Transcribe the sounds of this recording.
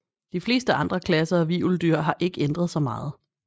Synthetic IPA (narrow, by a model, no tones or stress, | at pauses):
d̥ifle̝ːsd̥əɑ̈nd̥ʁɐkʰlæsɐɒʋḭːuld̥yɐ̰ɦɑ̈ʔe̝ɡ̥əend̥ʁɐðˠsɒ̽mɑ̈ːð̞̩ˠ